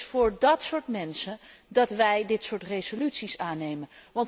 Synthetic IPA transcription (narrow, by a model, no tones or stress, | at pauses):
fʊːɹdɑtsʊːɹtmɛnsəndɑtʋɛjdɪtsʊːɹtrejzolytsisaːnejmənʋɑnt